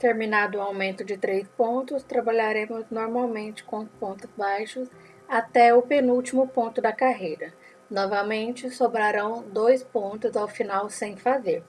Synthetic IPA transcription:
t̪eɾminad̪ʊawmẽnt̪ʊd͡ʒɪt̪ɾejspõnt̪ʊst̪ɾabaʎaɾẽmʊznoɾmawmẽnt͡ʃɪ̥kõspõnt̪ʊzbajʃʊs | at̪ɛʊpenuwt͡ʃimʊpõnt̪ʊd̪ɐkaɦejɾɐ | nɔvɐmẽnt͡ʃɪsobɾaɾɐ̃w̃d̪ojspõnt̪ʊzawfinawsẽj̃fazeɾ

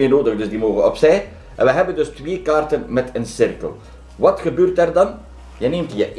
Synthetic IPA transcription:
eːnoːdəɣdɵzdimoːɣənɔ̰psɛj | ʔɛ̰nʋəɦɛbəndɵstʋeːkaːrtənmɛtənsɪrkə̰lˠ | ʋɑtxəbøːrtɛrdɑn | jəneːmtjəʔ

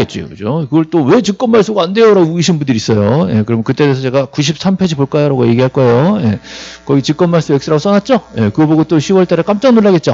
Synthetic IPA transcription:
et̚t͡ɕ͈io̰kɯd͡ʑokɯɡʌɭt͈owe̞t͡ɕɯk̚k͈ʌnmaɭs͈oɡaande̞joɾaɡouɡiɕʰinbundɯɾis͈ʌjoje̞̰kɯɾʌmɯnkɯt͈eɾesʰʌt͡ɕe̞ɡakuɕ̬ʰip̚s͈ʰampʰed͡ʑipoɭk͈ajʌɾaɡoje̞ɡiɦaɭk͈ʌe̞joje̞kʌɡit͡ɕɯk͈ʌnmaɭs͈ue̞ks͈ɯɾaɡos͈ʌnat̚t͡ɕ͈oje̞kɯɡʌboɡot͈oɕʰiwʌɭt͈aɾek͈amt͡ɕ͈ʌŋnoɭːaɡe̞t̚t͡ɕ͈o

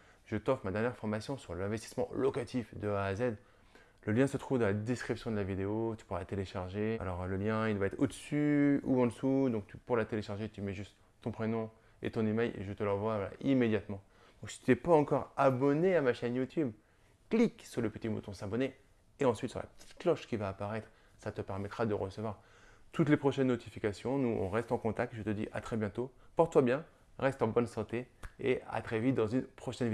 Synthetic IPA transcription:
ʒ̥ət̪ɔfmad̪ɛʁnjɛʁfɔʁmasjɔ̃syʁlɛ̃vɛst̪i̥smɑ̃lɔkat̪ifd̪əaːzɛd̪ | ləljɛ̃sət̪χuvd̪əlad̪eskχipsjɔ̃d̪əlavid̪eot̪y̥puʁlat̪eleʃaʁʒea̰lɔʁləljɛ̃ild̪waɛt̪χod̪əsyuɑ̃d̪əsud̪ɔ̃k̚t̪ypuʁlat̪eleʃaʁʒet̪ymɛʒyst̪ːɔ̃pχenɔ̃ | ḛt̪ɔ̃nimɛjʔḛʒət̪əlɑ̃vwavala̰ʔimed̪jat̪mɑ̃ | d̪̥ɔ̃ksi̥t̪ʰyɛpaɑ̃kɔʁabɔneamaʃɛnjut̪ʰyb | kliksyʁləpət̪imo̰t̪ʰɔ̃sabɔne | eɑ̃sɥit̪sy̰ʁlʔa̰pə̥t̪ʰi̥t̪klɔʃkʲivaːpaʁɛt̪χ | sat̪əpɛʁmɛt̪χad̪əʁəsəvwaʁ | t̪ut̪lepχɔʃɛnːɔt̪ifikʲasjɔ̃nuɔ̰̃ʁɛst̪ɑ̃kɔ̃t̪ak̚t̪ʒət̪əd̪ḭʔa̰t̪χɛbjɛ̃t̪opɔʁt̪t̪ːwabjɛ̃ | ʁɛst̪ɑ̃bɔnsɑ̃t̪eea̰t̪χɛvit̪̚d̪ɑ̃zynpχɔʃɛnvi

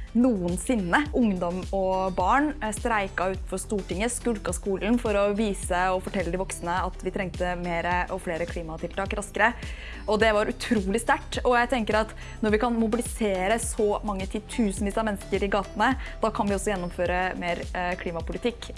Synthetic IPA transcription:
nuːənsɪnːəʔʊŋd̪ɔmɔbɑːɳst̪ɾæɪkɑʉːt̪n̩fɔst̪uːʈɪŋːəskʉlkɑskuːln̩fɔɾɔʋiːsəɔfɔʈʰɛlːəd̪ɪʋɔksnəɑt̪ʋɪt̪ʰɾɛŋt̪əmeːɾəʔɔfleːɾəkʰliːmɑt̪ʰɪlt̪ʰɑːkɾɑskəɾə | ɔd̪ɛʋɑɾʔʉt̪ʰɾuːlɪst̪æʈːɔjæɪt̪ʰɛŋkəɾɑt̪ | nɔɾʋɪkɑnmʊbɪlɪseːɾəsɔmɑŋːət̪ʰiːd̪t̪ʰʉːsn̩ʋiːsɑmɛnːəskəɾɪɡɑːt̪nəd̪̥ɑːkʰɑnʋɪɔsːɔjɛnːɔmføːɾəmeːɾkʰliːmɑpʊlɪt̪ʰɪkː

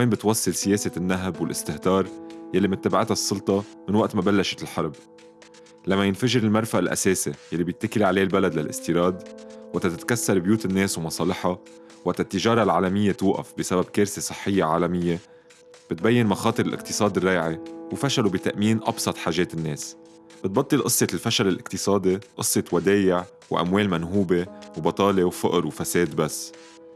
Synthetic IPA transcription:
meːmbɪt̪wɑsˤːɨlsɪjeːsɪnːaɦbwɪlʔɪst̪ɪht̪ɑːɾˤjalːimɪnt̪ːaːbaʕɪt̪hasˤːʊlt̪ˤɑmɪnwaʔt̪mabalːaʃɪ̥t̪lħɑɾˤb̚ | lamːajɪnfaʒɪɾɪlmɑɾˤfaʔalʔa̰seːsijalːibjɪt̪ːakɪliʕaleːlbalad̪lalʔɪ̰st̪iːɾˤɑːd̪waʔt̪at̪ɪt̪kasːɑɾˤbjuːt̪ɪnːeːswmɑsˤɑːlɪħɑ | wʔaʔt̪at̪ːɪʒɑːɾˤɑlʕaːlamɪjːet̪uʔa̰fbɪsabab̚keːɾsesˤɨ̥ħːɪjːeʕaːlamɪjːe | b̥ɪt̪̚bajːɪnmɑxɑːt̪ˤɨɾɪlʔɪ̰qt̪ɨ̥sˤɑːd̪ɪrːɑːʕiwfaʃalubit̪aʔmiːnʔɑ̰bsˤɑt̪ˤħaːʒeːt̪ɪnːeːs | b̥ɪt̪̚bɑt̪ˤːɨlʔɨsˤːelfaʃalɪlʔɪqt̪ɨsˤɑːd̪iʔɨsˤːet̪wad̪eːjɪʕ | wʔa̰mweːlmanɦuːbewbɑt̪ˤɑːlewfʊʔɾwfaseːd̪basː

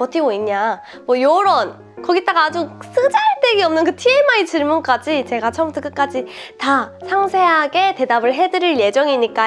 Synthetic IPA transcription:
ʌtʰiboiɲɲa | mwʌjoɾʌn | kʌɡit͈aɡaːd͡ʑusʰɯd͡ʑaɭt͈e̞ɡiʌmnɯnkɯtʰie̞mait͡ɕiɭmunk͈ad͡ʑit͡ɕe̞ɡat͡ɕʰʌmbutʰʌk͈ɯk͈ad͡ʑitasʰaŋsʰe̞ɦaɡe̞te̞dabɯɭɦe̞dɯɾiɭje̞d͡ʑʌŋiɲik͈a

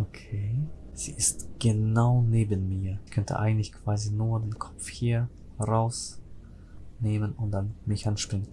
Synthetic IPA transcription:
ʔokʰeːz̥ḭːɪstɡ̥ənaʊneːbənmiːɐɪçkʰœntʰə̰ʔa̰ɪɡŋ̩tlɪçkv̥aːzinuːɐdeːnkʰɔ̥pp͡fhiːɐ | ʁaʊs | neːmənʊnt̚d̥anmɪçʔanʃpɪŋən

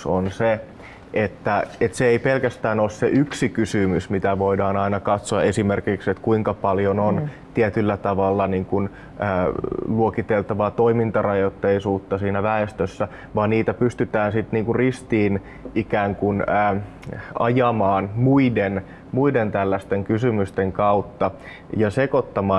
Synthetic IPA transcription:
sonse | ʔet̪ːæet̪seeipelkæst̪æːnoːsseʔyksikysymysmit̪æʋoidɑːnɑinɑkɑt̪soɑʔe̞simerkikset̪kuiŋkɑpɑljonont̪iet̪ylːæt̪ɑʋɑlːɑniːŋkun | əːluokit̪elt̪ɑʋɑːt̪oimint̪ɑrɑjot̪ːeisuːt̪ːɑsiːnæʋæest̪øsːæ | ʋɑːniːt̪æpyst̪yt̪æːnsit̪niːŋkurrist̪iːn | ʔikæːŋkunəː | ɑ̰jɑmɑːnmuiden | muident̪ælːæst̪eŋkysymyst̪eŋkɑut̪ːɑ | jɑsekot̪ːɑmɑː

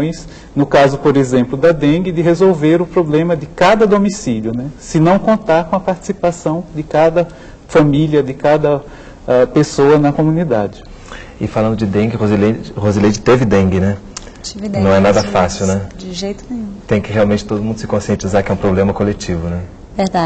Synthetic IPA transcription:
j̃s | nʊkazʊpoɾezẽmplʊd̪ɐd̪ẽɡɪd̪ɪɦezowveɾʊpɾoblẽmɐd̪ɪkad̪ɐd̪omisiljʊnɛsɪnɐ̃w̃kõnt̪aɾkõɐpaɾt͡ʃi̥sipasɐ̃w̃d̪ɪkad̪ɐ | fɐmiljɐd̪ɪkad̪ɐ | ɛpesoɐnɐkõmũnid̪ad͡ʒɪ | ɪfalɐ̃nd̪ʊd͡ʒɪd̪ẽɡɪhozilehoziled͡ʒɪt̪evɪd̪ẽɡɪnɛ | t͡ʃivnɐ̃w̃ɛnad̪ɐfasiwnɛd͡ʒɪʒejt̪ʊnẽj̃ũt̪ẽj̃kɪhealwmẽnt͡ʃɪ̥t̪od̪ʊmũd̪ʊsɪkõsiẽnt͡ʃizaɾkɪɛũpɾoblẽmɐkolet͡ʃivʊnɛ | ved̪ad͡ʒ

